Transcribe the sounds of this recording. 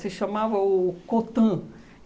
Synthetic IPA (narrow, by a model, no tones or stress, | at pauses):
sɪʃɐmavɐʊkot̪ɐ̃